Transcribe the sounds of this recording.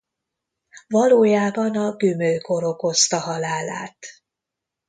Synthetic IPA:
vɒloːjaːbɒnɒɡymølkʰo̞ɾo̞ko̞st̪ɒɦɒlaːla̰ːt̪

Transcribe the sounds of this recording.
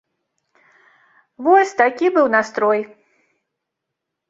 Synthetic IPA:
vɔsʲt̪akʲibɨwnast̪ɾɔj

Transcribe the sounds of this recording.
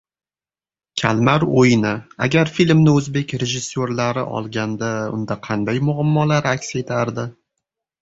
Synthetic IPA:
kʲʰa̰lmaɾojnɪa̰ɡʲaɾfilmnɪɵzbe̞kʲɾe̞ʒɪsːoɾlaɾɪʔɒ̰lˠɡʲand̪aʊ̰nd̪aqʰɑnd̪ajmʊamːɒlaɾakʲse̞t̪ʰaɾd̪ɪ

